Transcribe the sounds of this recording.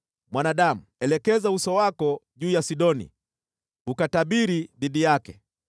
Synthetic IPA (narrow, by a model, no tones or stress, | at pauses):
mwanaɗamuɛlɛkɛzausɔwakɔʄuːjasiɗɔnḭ | ukataɓiɾiɗiɗijakɛ